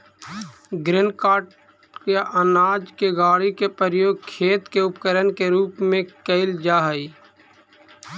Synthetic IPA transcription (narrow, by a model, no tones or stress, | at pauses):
ɡɾɪnkaːʈ | keʔənaːd͡ʒkeɡaːɽikepəɾjoːɡ̚kʰeːt̪keʊpkəɾənkeɾuːpmẽkəɪld͡ʒaːɦəiː